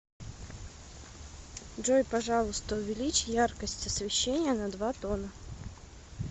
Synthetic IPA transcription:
dʐojpɐʐɑlˠʊst̪əʊvʲɪlʲit͡ɕjarkəsʲtʲəsvʲɪɕːenʲɪjənɐd̪vat̪onə

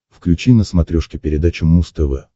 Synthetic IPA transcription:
fklʲʉt͡ɕinəsmɐt̪ɾʲoʂkʲɪpʲɪɾʲɪd̪at͡ɕʊmust̪əvɛ̰

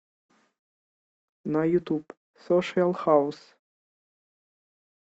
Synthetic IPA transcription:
nɐjut̪up | sɔʂɨɐlˠxaws

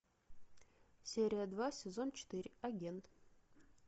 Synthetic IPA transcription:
sʲeɾʲijad̪vasʲezo̞nt͡ʃʰɪ̥t̪ɨɾʲɐɡʲent̪

